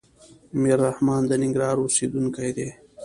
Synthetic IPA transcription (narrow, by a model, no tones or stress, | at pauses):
miɾːahmɑːnd̪ɐniŋɡɾɑːɾusiːd̪unkajd̪eː